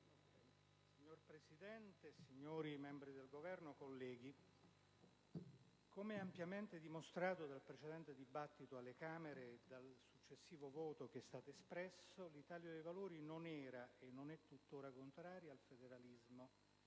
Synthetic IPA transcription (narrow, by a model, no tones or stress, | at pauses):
siɲːorpɾesid̪ɛnt̪esiɲːoːɾimɛmbɾid̪elɡovɛrnokolːɛːɡ̟i | komeɛampjament̪ed̪imost̪ɾaːt̪od̪alpɾet͡ʃed̪ɛnt̪ed̪ibat̪ːit̪oalːekaːmeɾed̪alsut͡ʃːesːiːvovɔːt̪ok̟eɛst̪aːt̪oespɾɛsːolit̪aːljod̪ejvaloːɾinonɛːɾaenːonɛt̪ːut̪ːoːɾakont̪ɾaːɾjaalfed̪eɾalizmo